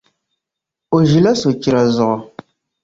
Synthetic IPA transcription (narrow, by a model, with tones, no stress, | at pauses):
o˨ʒi˨la˦so˨t͡ʃi˨ɾa˨zʊ˨ʔɔ˨